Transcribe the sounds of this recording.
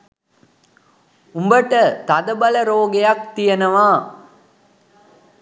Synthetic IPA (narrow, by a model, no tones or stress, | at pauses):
umbəʈət̪ad̪ɐbɐlɐɾoːɡejak̚t̪ijɐnɐʋaː